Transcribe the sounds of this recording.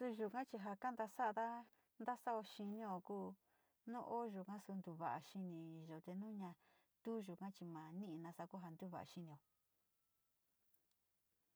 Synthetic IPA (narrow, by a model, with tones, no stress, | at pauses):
su˧ʒu˧kã˦t͡ʃi˧ɦa˧ka˦nd̪a˧sa˦˧ða˦ | nd̪a˦sa˦o˧ʃi˧nĩ˦o˧kuː˦ | nũ˦ʔo˦ʒu˨kã˦su˧nd̪u˧βa˨ʔa˨ʃi˧nĩ˧ʒo˨t̪e˧nũ˦ɲã˧ | t̪u˦ʒu˨kã˦t͡ʃi˧mã˨nĩ˦ʔi˧nã˧sa˧ku˦ɦa˧nd̪u˦βa̰˨ʔa̰˧ʃi˧nĩ˨o˨